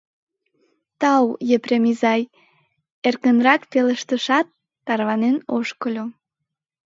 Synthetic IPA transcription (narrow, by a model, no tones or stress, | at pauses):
t̪ɑwjepremizɑj | erkənrɑkpeləʃt̪əʃɑt̪ː | ɑrβɑnenoʃkəlʲo